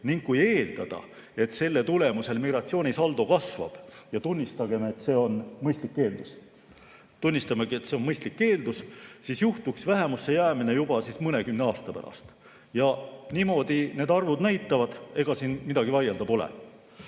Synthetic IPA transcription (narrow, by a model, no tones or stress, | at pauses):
niŋɡkːuje̞ːld̪̥ɑd̪̥ɑ̰ | e̞t̪se̞lːet̪ule̞muse̞lmiɡ̥rɑt̪sio̞ːnʲisɑld̪o̞kɑsvɑ̰b̥jɑt̪unʲːist̪ɑɡ̥e̞met̪se̞ːo̞nmɤjst̪likːe̞ːld̪̥us | t̪unʲːist̪ɑmeɡ̥ie̞t̪se̞o̞nmɤjst̪likːe̞ːld̪̥ussisjuht̪uksvæɦe̞musːe̞jæːmine̞jub̥ɑsismɤne̞kymne̞ɑːst̪ɑpæ̰ɾɑ̰st̪ | jɑniːmo̞ːd̪̥ine̞ːd̪ɑrvud̪næjt̪ːˑɑvɑd̪̥e̞ɡ̥ɑsiːnmid̪ɑɡ̥ivɑjeld̪̥ɑbo̞lḛ